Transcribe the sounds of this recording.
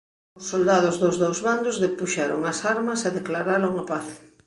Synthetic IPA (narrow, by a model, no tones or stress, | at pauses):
ʊsːold̪aðʊzðozðowzβand̪ʊzðepuʃaɾo̰ŋɐsaɾmɐsaðeklaɾaloŋapaθ